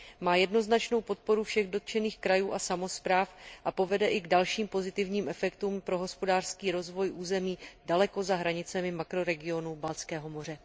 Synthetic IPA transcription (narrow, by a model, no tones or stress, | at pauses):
maːjɛdno̞znat͡ʃno̞wpo̞t̪̚po̞ɾufʃɛɣdot̪̚t͡ʃɛniːxkɾajuːʔasamo̞spɾaːfʔapo̞vɛdɛʔɪɡdalʃiːmpo̞zɪt̪ɪvɲiːmʔɛfɛkt̪uːmpɾo̞ɦo̞spo̞daːr̥skiːɾo̞zvo̞jʔuːzɛmiːdalɛko̞zaɦɾaɲɪt͡sɛmɪmakɾo̞ɾɛɡɪo̞nubalt͡skɛːɦo̞mo̞r̝ɛ